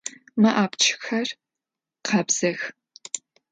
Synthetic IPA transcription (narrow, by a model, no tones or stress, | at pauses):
mɨʔaːpt͡ʃʰɪ̥xɐr | qɐbz̥ɐx